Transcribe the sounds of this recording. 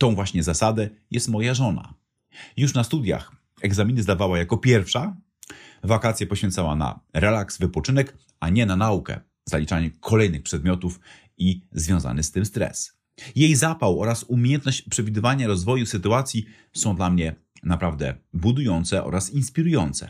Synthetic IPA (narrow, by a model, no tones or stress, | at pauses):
t̪ɔ̃w̃vwaɕɲɛzasad̪ɛjɛst̪mɔjaʐɔna̰ | juʂnast̪ud̪ja̰x | ɛɡzamʲinɘzd̪avawajakɔpʲjɛɾfʂa | vakat̪sʲjapɔɕfʲɛnt̪sawa̰na̰ɾɛlaksvɘpɔt͡ʂɘnɛk | aɲɛnanaukɛ̰ | zalʲit͡ʂaɲɛkʰɔlɛjnɘxpʂɛd̪mʲjɔt̪uf | izvʲjɔ̃w̃za̰nɘst̪ɘmst̪ɾɛ̰s | jejzapawɔɾasumʲjejɛnt̪̚nɔɕt͡ɕpʂɛvʲid̪ɘvaɲaɾɔzvɔjusɘt̪uat̪sʲji | sɔ̃w̃d̪lamɲɛ | napɾavd̪ɛ̰bud̪ujɔnt̪sɛʔɔ̰ɾasinspʲiɾujɔnt̪sɛ̰